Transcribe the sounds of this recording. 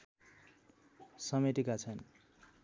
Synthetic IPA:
sʌmeʈekat͡sʰʌn

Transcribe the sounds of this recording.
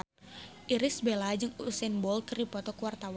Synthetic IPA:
ʔiɾɪsbɛlad͡ʒɨŋusɛnbɔlkɨripɔt̪ɔkuwart̪aw

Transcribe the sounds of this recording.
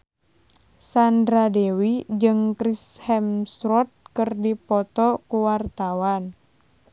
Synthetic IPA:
sandɾadewid͡ʒɨŋkɾishɛmsɾɔt̪̚kɨrdipɔt̪ɔkuwart̪awan

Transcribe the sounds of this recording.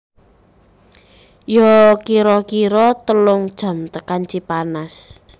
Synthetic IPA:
jɔkiɾɔkiɾɔt̪əlʊŋd̥ʒ̥a̤mt̪əkant͡ʃipanas

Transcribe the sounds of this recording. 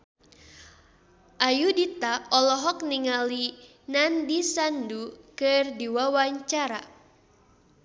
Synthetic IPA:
ʔajudit̪aɔlɔɦɔk̚niŋali | nandisandukɨrdiwawaɲt͡ʃaɾa̰

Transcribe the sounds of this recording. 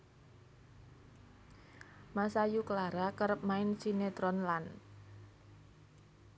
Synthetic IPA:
masajukəlaɾakəɾəp̚maɪnsinet̪ɾɔnlan

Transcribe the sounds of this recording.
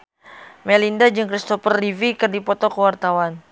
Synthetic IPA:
mɛlindad͡ʒɨŋkɾist̪ɔfərːivikɨrdipɔt̪ɔkəwart̪awan

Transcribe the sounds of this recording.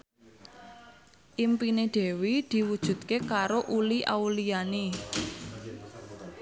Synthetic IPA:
ʔimpineɖ̪̥e̤wid̪̥i̤wud̥ʒ̥ṳd̪̚kekaɾoʔuliʔawuliane

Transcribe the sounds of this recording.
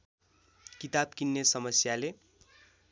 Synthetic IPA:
kit̪ab̚kinːesʌmʌsjale

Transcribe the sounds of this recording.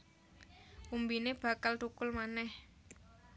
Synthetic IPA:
ʔumbineb̥ä̤kalt̪ukʊlmanɛh

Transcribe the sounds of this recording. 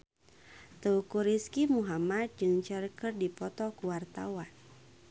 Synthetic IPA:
t̪əukuɾiskimuɦamad̪̚d͡ʒɨŋt͡ʃərkərdipɔt̪ɔkuwart̪a̰wan

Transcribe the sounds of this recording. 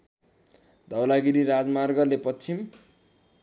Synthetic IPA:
d̪ʱʌwlaɡiɾiɾad͡zmarɡʌlepʌt͡sʰim

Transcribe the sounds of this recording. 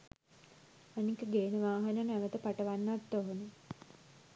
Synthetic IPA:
anikəɡeːnəʋaːɦanənæʋət̪əpaʈəʋanːat̪ːoɦonə

